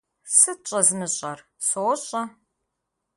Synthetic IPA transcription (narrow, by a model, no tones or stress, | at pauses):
sɨt͡ʃʼɐzmɨɕʼɐrsoɔɕʼɐ